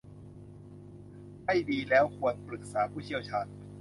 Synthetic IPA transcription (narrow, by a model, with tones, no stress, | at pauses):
ma˥˩jdiː˧lɛː˦˥wkʰu˧ənpɾɯ˨˩k̚saː˩˦pʰuː˥˩t͡ɕʰi˥˩əwt͡ɕʰaː˧n